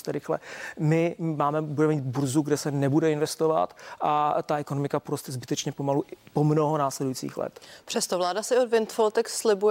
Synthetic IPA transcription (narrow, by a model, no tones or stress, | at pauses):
st̪ɛɾɪxlɛ̰mɪmaːmɛbudɛmɛmiːd̪burzuɡdɛsɛnɛbudɛɪnvɛst̪o̞va̰t̪ʔat̪aɛkonomɪkapoɾost̪ɛzbɪt̪ɛt͡ʃɲɛpo̞maluʔpo̞mno̞ɦo̞naːslɛdujit͡sḭːxlɛ̰t̪pr̥ɛst̪ovlaːdasɪodvɪnt̪folt̪ɛkslɪbuj